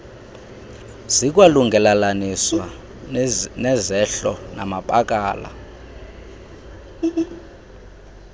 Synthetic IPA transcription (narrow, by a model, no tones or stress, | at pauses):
z̥ik̬ʼwaluŋɡʱɛlalaniswwa | nɛzɛɬɔna̰mapʼak̬ʼaːla̰